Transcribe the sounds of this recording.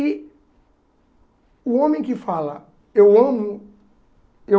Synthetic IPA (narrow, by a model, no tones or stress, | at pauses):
i | ʊõmẽj̃kɪfalɐ | ewɐ̃mʊ | e